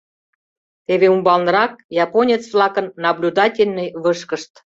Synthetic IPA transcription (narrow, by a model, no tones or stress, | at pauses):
t̪eβeumbɑlˠnəɾɑk̚jɑponʲet͡svlɑkənːɑblʲud̪ɑtʲelʲnɤjβəʃkə̆ʃt̪